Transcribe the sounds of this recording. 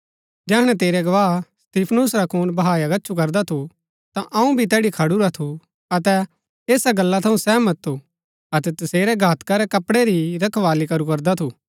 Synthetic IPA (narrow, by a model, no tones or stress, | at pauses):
d͡ʒɛːɦɽ̃ɛ̃t̪eːɾɛɡɐʋaːɦst̪iːpʰnʊsɾakʰuːnbɐɦaːjaɡɐːt͡ʃʰukɐɾd̪at̪ʰu | t̪ãʔɐũbʱit̪̬ɛːɽikʰɐɽuɾat̪ʰu | ɐt̪ɛ | eːsaɡɐlːat̪ʰɐũsɛːmɐt̪ːu | ɐt̪ɛt̪ɐseːɾɛɡʱaːt̪kaɾɛkɐpɽɛɾiɾɐkʰʋaːlikɐɾukɐɾd̪at̪ʰuː